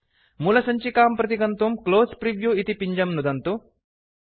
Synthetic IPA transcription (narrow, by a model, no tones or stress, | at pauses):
mulɐsɐɲt͡ɕikaːmpɾɐt̪ikɐnt̪umkloːspɾiʋjuit̪ipiɲd͡ʑɐmnud̪ɐnt̪u